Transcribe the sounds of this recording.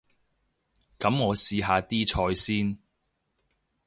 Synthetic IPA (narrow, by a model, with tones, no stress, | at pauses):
kɐ˨˥mŋɔː˨˧siː˧ɦaː˧t̪iː˥t͡ʃʰɔː˧jsiː˥n